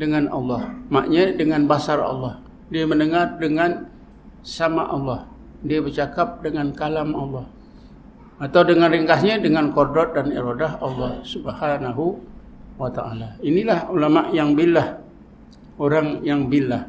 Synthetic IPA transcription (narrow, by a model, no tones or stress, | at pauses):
dəŋanɑ̰lːɑhma̰ʔɲadəŋanbasarɑ̰lːɔh | diamənəŋardəŋan | samaʔɑlːɔh | diabərt͡ʃakap̚dəŋankalamɑlːɑh | at̪awdəŋanrəŋkaɦɲadəŋankɔrdɔt̪̚danḭɾodaɦɑlːɔhsubəhanaɦu | wat̪aʔa̰lainilahulamaʔjaŋbilːah | oɾaŋjaŋbilːah